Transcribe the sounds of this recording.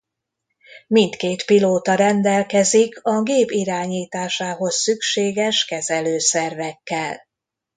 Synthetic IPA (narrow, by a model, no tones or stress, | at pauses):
mint̪keːt̪piloːt̪ɒɾɛnd̪ɛlkɛzikɒɡeːpiɾaːɲiːt̪aːʃaːɦo̞sːykʃeːɡɛʃkɛzɛløːsɛrvɛkːɛl